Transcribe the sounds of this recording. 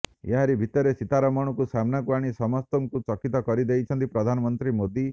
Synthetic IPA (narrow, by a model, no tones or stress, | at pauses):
eɦaɾibʱit̪ɔɾesit̪aɾɔmɔɽ̃ɔkusamnakuaɽ̃isɔmɔst̪ɔŋkut͡ʃɔkit̪ɔkɔɾid̪ejt͡ʃʰɔnt̪ipɾɔd̪ʱanɔmɔnt̪ɾimod̪i